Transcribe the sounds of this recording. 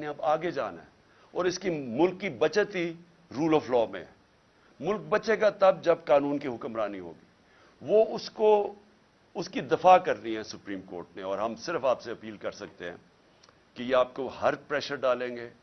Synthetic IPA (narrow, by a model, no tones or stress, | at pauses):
neɐbaːɡed͡ʒaːna̰ɦɛ | ɔːɾɪskimʊlkːibɐt͡ʃət̪ɦi | ɾuːlɔːflɔːmḛ̃ɦɛ | mʊlk̚bɐt͡ʃeɡat̪ɐb̚d͡ʒɐbkaːnũːnkiɦʊkəmɾaːniɦo̰ːɡiː | ʋoʊsko | ʊskid̪ɪfaːkɐɾniɦɛ̃sʊpɾiːmko̰ːɾʈneɔːɾɦɐmsɪɾfaːpseɐpiːlkɐɾsɐk̚t̪eɦɛ̰̃ː | kejeaːp̚kohɐɾpɾɛːʃəɾɖaːlẽːŋɡeː